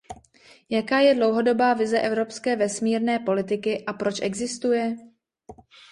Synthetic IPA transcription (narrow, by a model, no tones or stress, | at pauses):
jakaːjɛdlo̞wɦo̞do̞baːvɪzɛʔɛvɾo̞pskɛːvɛsmiːɾnɛːpo̞lɪt̪ɪkɪʔapɾo̞t͡ʃʔɛɡzɪst̪ujɛ